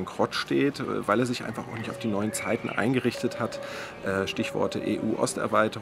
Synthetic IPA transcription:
ŋkʁ̥ɔtʃteːtːvaɪleːɐzɪçʔa̰ɪnfaχaʊxnɪçtaʊfd̥iːnɔʏənt͡saɪtn̩ʔa̰ɪnɡəʁɪçtəthat | ʔɛːʃtɪçv̥ɔ̰ɐtəʔḛːʔuːʔɔ̰stɛ̰ɐvaɪtə

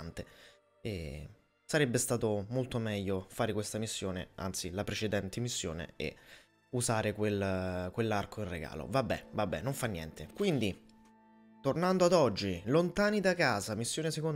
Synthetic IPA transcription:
nt̪e | e | saɾɛbːest̪aːt̪omolt̪omɛʎːofaːɾekwest̪amisːjoːnḛa̰nt̪silapɾet͡ʃed̪ɛnt̪ʰemisːjo̰ːnḛḛ | uzaːɾekwelkwelːarkʰoinreɡa̰ːlo̰vabːɛ̰vabːɛ̰nːoɱfanːjɛ̰nt̪ʰekwind̪i | t̪ornand̪oad̪ɔd͡ʒːilont̪aːnid̪akaːzamisːjoːneseko

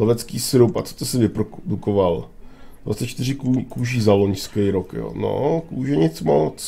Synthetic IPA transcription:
lɛvɛt͡skiːsɪɾupa̰t͡so̥t̪osɪvɪpɾodukoval | dva̰t͡sɛt͡ʃt̪ɪrɪkukuːʒiːzaloɲskɛjɾokjo̰ːno̰kuːʒɛɲɪt͡smalot͡s

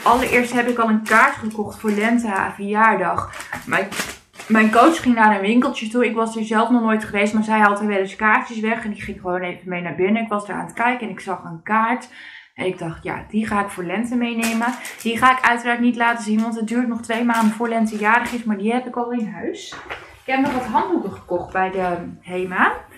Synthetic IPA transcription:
ʔɑlˠəɹʔɪːɹstɦɛpɪkɑlˠənkaːɹtχəkɔχtfʊːɹlɛntəafəjaːɹdɑχmɛ | mɛjnkowt͡ʃχɪŋnaːɾənʋɪŋkəlˠtjətuɪkʋɑzdəɹzɛlˠfnɔχnojtχəʋejstmaːɹzɛjɦɑlˠtəʋɛlɪskaːɹtəsʋɛχɛndiχɪŋχəʋownejvəmejnaːɹbɪnəɪkʋɑzdaɹa̰ːnətkɛjkəɛnɪksɑχənkaːɹt | ʔɛnɪɡ̚dɑχtja̰d̥iχaːɪkfoːɹlɛntəmejneːməd̥iχaːɪkœɥtəraːɹtnitlaːtəzinʋɑntət̚dyːɹtnɔχtʋejmaːndənfʊːɹlɛntəjaːɾəχɪstmaːɹdiɦɛpɪkɔlˠɪnɦœɥs | ɪkɦɛpnɔχʋɔtɦɑntukəχə̥kɔχt̚bɛjdəhejma

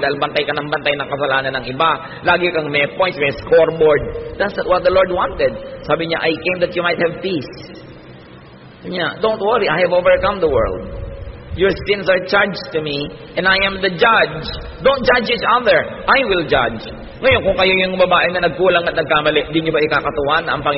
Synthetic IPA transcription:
d̪aːhɪlbɐnt̪ajkɐnɐŋbɐnt̪ajnɐŋkɐsɐlaːnɐnɐŋɪba | laːɡɪkɐŋmɛpõjnt̪̚mɛskoɹboɹd̪̚d̪ɐt̪snɐt̪̚wɔt̪̚d̪ɐloɹd̪̚wãnt̪ɛd̪̚saːbɪɲaʔajkẽjmd̪ɐt̪jumajt̪hɛvpis | ʊɲad̪õwnt̪wɛɹiʔajhɛvovəɹkɐ̃md̪əwɛ̰ɹld̪̚jɔɹsɪ̃nsɐɹt͡ʃaɹd͡ʒt̪umiʔɛ̃najɐ̃md̪ɐd͡ʒad͡ʒ | d̪õw̃nt̚d͡ʒad͡ʒit͡ʃaðəɹʔajwɪld͡ʒa̰d͡ʒ | ŋɐjonkʊŋkɐjojʊŋbɐbaːʔɪnɐnɐɡ̚kuːlɐŋɐt̪̚nɐɡ̚kaːmɐlɛʔnd̪ɪɲobaʔɪkakɐt̪ʊwanɐ̰ŋpɐŋɪ

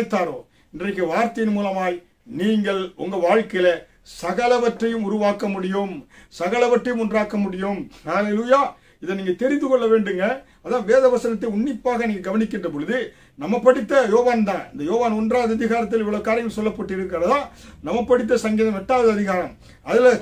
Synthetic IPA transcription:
t̪ːaːɾoː | ɪndrɐɪkːɯʋaːɾt̪ɐjɪnmuːlɐmaːj | niːŋɡɐɭʊŋɡɐʋaːɻkɐjɪlɐ | sɐɣɐlɐʋɐʈrɐjɯmʊɾʊʋaːkɐmʊɽɪjɯmsɐɣɐlɐʋɐʈrɐjɯmɔndraːkːɐmʊɽɪjɯmhaːleːluːjaː | ɪðɐniːŋɡɐt̪ɛɾɪnd̪ɯkɔɭːɐʋeːɳɖɯŋɡɐ | ɐðãːʋeːðɐʋɐsɐnɐt̪̬ːɐɪʊɳːɪpːaːɣɐniːŋɡɐɡɐʋɐnɪkːɪndrɐp̬ɔɻɯðɯ | nɐmːɐpːɐɽɪt̪ːɐjoːʋaːnt̪ãːɪnd̪ɐjoːʋaːnɔndraːʋðɐɐðɪɣaːɾɐt̪ːɪlɪʋːɐɭɐʋɯkːaːɾɪɐɡɐmsɔlːɐpːɐʈːɯɪɾɯkːɐɾɐðãːnɐmːɐpːɐɽɪt̪̬ːɐsɐŋɡiːðɐmɐʈːaːðɯɐðɪɣaːɾɐm | ɐðɪl

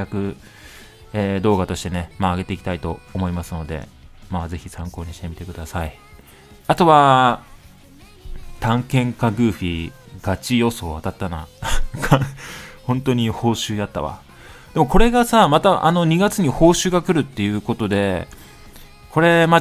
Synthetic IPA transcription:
akɯ̟ | eːd̪o̞ːɡat̪o̞ɕi̥t̪e̞ne̞maːɡe̞t̪e̞ikʲit̪ait̪o̞ːmo̞imasɨno̞d̪e̞̰ | maːze̞çisãŋko̞ːɲ̟iɕi̥t̪e̞mʲit̪e̞kɯ̟d̪asai | at̪o̞βa | t̪ãŋkẽ̞ŋkaɡɯ̟ːɸʲiɡ̥at͡ɕijo̞so̞ːat̪at̪ːanakʰahõ̞nt̪o̞ɲ̟iho̞ːɕɨːjat̪ːaβa̰ | d̪̥e̞mo̞ko̞ɾe̞ɡasamat̪aʔa̰no̞ɲ̟iɡat͡sɨɲ̟iho̞ːɕɨːɡakɯ̟ɾɯ̟t̪ːe̞jɯ̟ːko̞t̪o̞d̪e̞ | kʰo̞ɾe̞ma

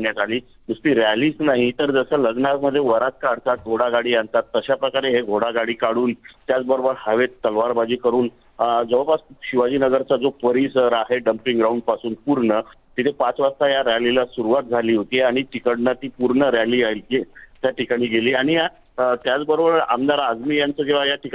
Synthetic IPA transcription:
njat̪aliː | musʈiːɾaliːsnaɦit̪əɾd͡zəsələɡnaməd̪ʱːjeʋəɾat͡s̚kaɽ̤t̪at̪̚ɡʱoɽaɡaɽiːant̪at̪ːəɕapɾəkaɾeɦeɡʱoɽaɡaɽiːkaɽuːnt̪jat͡sbəɾobəɾhəʋet̪ːəlʋaɾbad͡ʑiːkəɾuːn | d͡zəʋəpasɕiʋad͡ʑiːnəɡəɾt͡sad͡zopəɾiːsəɾaɦeɖəmpiŋɡɾauɳɖ̚pasuːnpuɾɳə | t̪it̪ʰepat͡sʋast̪ajaɾjalilasuɾuʋat̪̚d͡zʱaliːɦot̪iːaɽ̃iʈikəɽnat̪iːpuɾɳəɾjaliːaɦilkit̪jaʈikaɽ̃iːɡeliːaɽ̃ia | t̪jat͡sbəɾobəɾa̰md̪aɾad͡zmiːjant͡səːkeʋajaʈik

